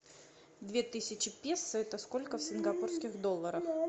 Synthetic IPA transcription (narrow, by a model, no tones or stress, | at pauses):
d̪vʲe̞t̪ɨsʲɪt͡ɕɪpʲesːɨɛt̪əsko̞lʲkəfsʲɪnɡɐpurskʲɪxd̪o̞lˠːəɾəf